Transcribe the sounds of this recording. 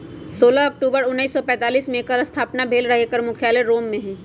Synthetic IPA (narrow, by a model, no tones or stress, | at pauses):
soːlaɐk̚ʈuːbəɾʊnːəisːɔpɛ̃ːt̪aːliːsmẽkəɾəst̪ʰaːpnabʱeːlɾɐɦekəɾmʊkʰjaːleɾoːmːẽɦɛ̃ː